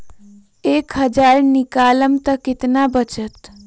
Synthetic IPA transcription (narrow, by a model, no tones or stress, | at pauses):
eːkɦəd͡ʒaɾnikaləmt̪əkɪt̪nabət͡ʃət̪